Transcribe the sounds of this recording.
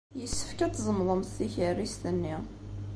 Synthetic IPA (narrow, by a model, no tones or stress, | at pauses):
jəsːə̥fkæt͡s̪ːzˤəmðˤəmθθiçərːist̪ənːi